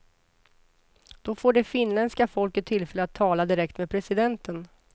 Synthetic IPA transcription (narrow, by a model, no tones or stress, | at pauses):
d̪̥ɔfoːɖɛfɪnːlɛnd̪skafɔlkət̪ʰːɪlfɛlːəat̪ʰːɑːlad̪ɪɾɛk̚t̪meːd̪pʰɾɛsɪd̪ɛnt̪ən